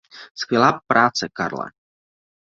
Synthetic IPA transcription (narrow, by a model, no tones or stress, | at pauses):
skvjɛlaːpɾaːt͡sɛka̰ɾla̰